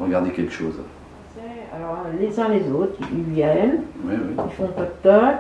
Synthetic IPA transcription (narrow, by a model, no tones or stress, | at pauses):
ʁəɡaʁd̪ekʲɛlkəʃoːz | sɛa̰lɔʁlezɛ̃lezot̪χilvjɛnwiwikifɔ̃pɔt̪ɔk